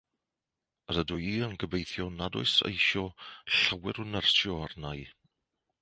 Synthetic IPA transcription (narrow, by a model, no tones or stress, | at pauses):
əɾədʊjiːənɡəbejθjɔnadʊ̰ɨsḛjʃɔɬawɛɾʊnərsjɔarnaj